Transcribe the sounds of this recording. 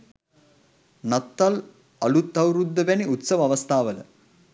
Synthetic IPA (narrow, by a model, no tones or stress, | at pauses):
nɐt̪ːal | ɐlut̪ːɐwɾud̪ːəbæniut̪səʋɐʋɐst̪ʰaːʋələ̰